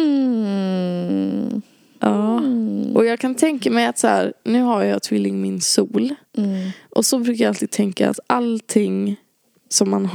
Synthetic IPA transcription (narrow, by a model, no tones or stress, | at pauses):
ʔɑːʔɔjɑːɡkʰant̪ʰɛŋkamɛjat̪sæ̰ːɾnʉ̟ːɦaɾjɑːt̪ʰvɪlːɪŋmɪnsuːl | ʔɔsɔbɾʉ̟ːkajaalt̪iːd̪̚t̪ʰɛŋka̰a̰t̪alt̪ʰɪŋ | sɔmːanɦ